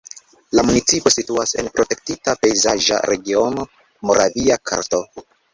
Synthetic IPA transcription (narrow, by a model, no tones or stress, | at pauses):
lamunit͡sipo̞situase̞npɾo̞te̞k̚titape̞jzaʒa̰ɾe̞ɡio̞no̞ | mo̞ɾaviakʰa̰ɾto̞